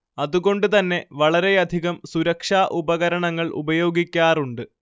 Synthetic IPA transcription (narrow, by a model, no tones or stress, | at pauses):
ɐðuɣo̞ɳɖɨt̪ɐnːe̞ʋɐɭɐɾe̞ɐd̪ʱiɣɐmsuɾɐkʂaːʔubɐɣɐɾɐɳɐŋːɐɭʔṵbɐjo̞ːɡikʲːaːruɳɖɨ